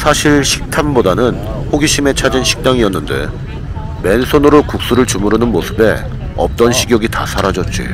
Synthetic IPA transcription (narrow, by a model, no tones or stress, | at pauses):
sʰaɕʰiɭɕʰi̥k̚tʰanbodanɯnɸʰoɡiɕʰime̞t͡ɕʰad͡ʑinɕʰi̥k̚t͈aŋiʌnːɯnde̞̰ | me̞nsʰonɯɾokuk̚s͈uɾɯɭt͡ɕumuɾɯnɯnmosʰɯbe̞ | ʌ̰p̚t͈ʌnɕʰiɡjʌɡita̰sʰaɾad͡ʑʌt̚t͡ɕ͈ḭ